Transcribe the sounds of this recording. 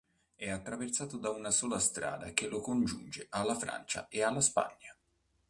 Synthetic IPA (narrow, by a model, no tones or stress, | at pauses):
ɛat̪ːɾavert̪saːt̪od̪aunasoːlast̪ɾa̰ːd̪akelokond͡ʒund͡ʒeʔalːafɾa̰nt͡ʃa̰ealːaspa̰ɲːa